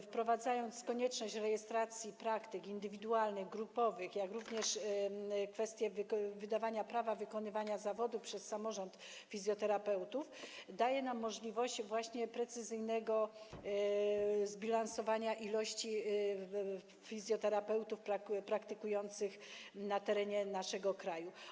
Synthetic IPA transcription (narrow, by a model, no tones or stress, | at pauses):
fpɾɔvad̪zajɔnt̪skɔɲɛt͡ʂnɔɕt͡ɕɾɛjɛst̪ɾat̪sʲjipɾakt̪ɘkind̪ɘvʲid̪ualnɘɣɡɾupɔvɘxjakɾuvɲɛʂ | kfɛst̪ʲjɛvvɘd̪avaɲapɾavavɘkɔnɘvaɲazavɔd̪upʂɛsːamɔʐɔnt̪ | fʲizʲjɔt̪ɛɾapɛwt̪ufd̪ajɛnamːɔʐlʲivɔɕd͡ʑvwaɕɲɛpɾɛt̪sɘzɘjnɛɡɔ | zbʲilansɔvaɲaʔilɔɕt͡ɕi | fʲizʲjɔt̪ɛɾapɛwt̪ufpɾapɾakt̪ɘkujɔnt̪sɘxnat̪ɛɾɛɲɛnaʂɛɡɔkɾaju